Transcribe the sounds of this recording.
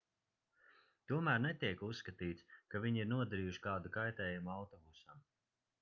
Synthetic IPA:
t̪uɔmæːɾnɛt̪ʲiɛkusːkat̪iːt̪skavʲiɲiɾnuɔd̪aɾiːjuʃi̥kaːd̪ukajt̪ɛːjumuawt̪ɔbusam

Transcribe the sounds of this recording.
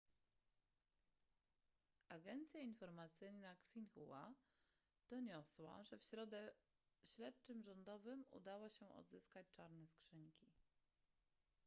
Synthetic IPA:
ʔaɡɛnt̪sʲjainfɔɾmat̪sɘjnaksinxuwa | d̪̥ɔɲɔswa̰ʐɛfɕɾɔd̪ɛ | ɕlɛt̪̚t͡ʂɘmʐɔnd̪ɔvɘmṵd̪awaɕɛʔɔ̰d̪zɘskat͡ɕt͡ʂaɾnɛskʂɘɲkʲi

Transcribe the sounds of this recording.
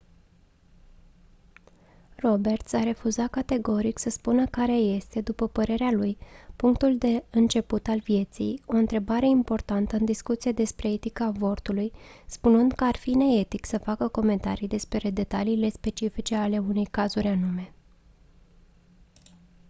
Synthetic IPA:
ro̞be̞rt̪saɾe̞fuzakat̪e̞ɡo̞ɾiksəspunəkaɾe̞je̞st̪e̞d̪upəpəɾe̞ɾealujpuŋkt̪uld̪e̞ɨnt͡ʃe̞put̪alvije̞t̪sḭjo̞ɨnt̪ɾe̞baɾe̞impo̞rt̪ant̪əɨnd̪iskut̪sied̪e̞spɾe̞et̪ikavo̞rt̪ulujspunɨnd̪kəarfine̞et̪iksəfakəko̞me̞nt̪a̰ɾijd̪e̞spɾed̪e̞t̪aliːle̞spe̞t͡ʃifit͡ʃe̞ale̞une̞jkazuɾʲanume̞

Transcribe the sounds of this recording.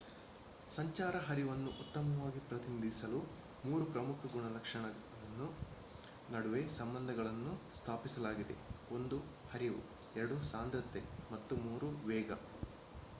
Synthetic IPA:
sɐɲt͡ʃaːɾɐɦɐɾiʋɐnːuʔut̪ːɐmɐʋaːɡipɾɐt̪inid̪ʱisɐlu | muːɾupɾɐmukʰɐɡuɳɐlɐkʂɐɳɐɐɐɭɐnːu | nɐɽuʋesɐmbɐnd̪ʱɐɡɐɭɐnːust̪ʰaːpisɐlaːɡid̪e̞̰o̞nd̪u | hɐɾiʋṵ | ɛɾɐɽusaːnd̪ɾɐt̪ːemɐt̪ːumuːɾuʋɛːɡɐ̰

